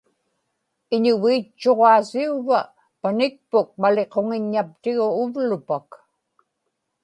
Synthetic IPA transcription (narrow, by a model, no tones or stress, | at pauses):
ɪɲʊviːt͡ʃːo̞ʁɑːsiuva | panɪk̚pʊk̚male̞qo̞ŋɪɲːap̚t̪ɪɣʊːvlʊpak